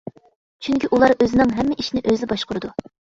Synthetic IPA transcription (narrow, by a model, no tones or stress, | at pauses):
t͡ʃʰyŋkʲiʔulˠɑɾøzɪnɪŋɦɛmːɪʔiʃinɪʔøzɪbɑʃqʊɾɨd̪u